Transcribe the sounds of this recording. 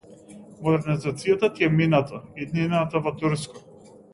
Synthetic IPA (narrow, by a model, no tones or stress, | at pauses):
mɔd̪ɛɾnizat̪sijat̪at̪iɛminat̪ʰaid̪ninat̪avɔt̪uɾskɔ̥